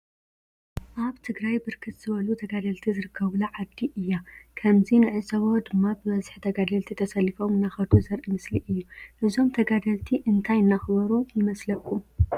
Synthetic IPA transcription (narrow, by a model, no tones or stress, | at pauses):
ʔaβt̪ʰɨɡɾajbɨɾkʰɨt̪z̥ɨβɐlut̪ʰɐɡad̪ɐlt̪ʰizɨɾɨkːɐβlɐʕad̪ːiʔɨjːakʰɐmzinɨʕɨzɐβod̪ɨmːabɨmɐzħit̪ʰɐɡad̪ɐlt̪ʰit̪ʰɐsɐlːifo̞mɨnːaxɐd̪ʰuzɐɾʔɨmɨsliʔɨjːuʔɨzo̞mt̪ʰɐɡad̪ɐlt̪ʰiʔɨnt̪ʰajɨnːaxɨβɐɾujɪmɐslɐkʰːu